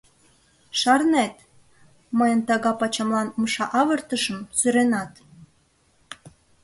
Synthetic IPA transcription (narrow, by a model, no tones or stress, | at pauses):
ʃɑrnæt̪ | məjənt̪ɑɣɑpɑt͡ɕɑmlɑnməʃɑʔɑβərt̪əʃə̆msyɾenɑt̪